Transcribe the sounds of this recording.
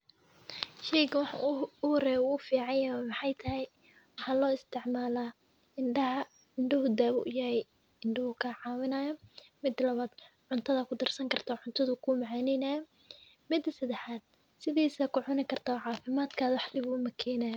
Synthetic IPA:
ʃɛjkɐwɑħɑ̰ʊhɾɛːʊfiːʕɑjamɑħɑjt̪ʰɐɦɛj | wɑħɑːlɔːɪst̪ʰɪʕmaːlaː | ɪɳɖɐɦɐ | ɪɳɖɪɦʊd̪aːβʊ̰ʔjɐɛj | ɪɳɖɪhʊkʰɐʕɑːwɪnɐːjɐmɪd̪lɐβaːd̪̥ | ʕʊnt̪ʰɐðɐkʰʊd̪ɐrsɐŋkʰɐrt̪ʰaːʕʊnt̪ʰɐðʊkʰumɑʕaːnɛjnaːjɐ | mɪd̪ɐsɐd̪ɛħaːd̪̥̚ | sɪðiːsɐkʰʊʕʊnɪkʰɐrt̪ʰaʕɑːfɪmaːd̪kʰaːðwɑħlɪβʊmɐkʰɛːnɐːjɔ

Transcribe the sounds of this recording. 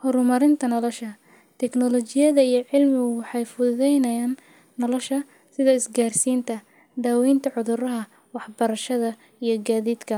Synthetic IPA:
hɔɾʊmɐɾɪnt̪ʰɐnlɔʃɐ | t̪ʰɛknɔlɔt͡ʃɪjɐðɐijɞʕɪlmɪɣʊwɑħɑjfʊððɛjnɐjaːnː | ɔlɔʃɐ | sɪðɐɪsɡaːrsiːnt̪ʰɐ | d̪aːwɛjnt̪ʰɐʕʊðʊɾɐɦɐ | wɑħbɐɾɐʃɐðɐ | ijɞɡaːðiːd̪kʰɐ

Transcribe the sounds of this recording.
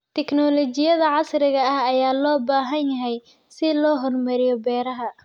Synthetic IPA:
t̪ʰɛknɔlɔt͡ʃɪjɐðɐʕɑsɾɪɣɐɐhɐjaːlɔːbaːɦɐnjɐɦɛj | sɪlɔːɦɔrmɐɾɪjɔbɛːɾɐɦɐ

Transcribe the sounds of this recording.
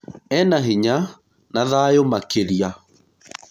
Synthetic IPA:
ɛnaɦiɲa | naðajomakeɾia

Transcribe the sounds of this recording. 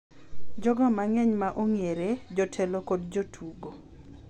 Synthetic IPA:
d͡ʒɔɡɔmaŋɛɲmaʔoŋieɾed͡ʒɔtʰɛlokodd͡ʒotʰuɡo

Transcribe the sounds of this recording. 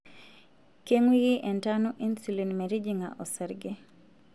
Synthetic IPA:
keŋwiɡiʔɛntanuʔinsulinmɛɾid͡ʒiŋa̰ʔɔsɛɾɡɪ

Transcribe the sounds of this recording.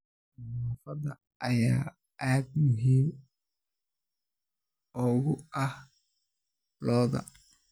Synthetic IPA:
naːfɐdɐ | ʔɐjaː | ʔaːd̪mʊɦiːm | ɔɣʊɐh | lɔːðɐ̰

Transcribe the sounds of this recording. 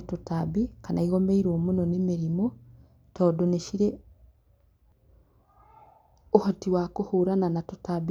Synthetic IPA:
totabikanaiɣɔmeiɾomonɔnemeɾimo | tɔːdoneʃiɾɛ | ohɔtiwakohoːɾananatotab

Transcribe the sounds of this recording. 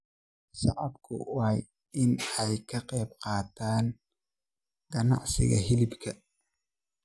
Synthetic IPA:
sɑ̰ʕɑbkʰʊ̰wj | ɪnɛjkʰɐqɛjbqɑːt̪ʰaːn | ɡ̥ɐnɑ̰ʕsɪ̰ɣɐ̰ɦɪlɪbkʰɐ

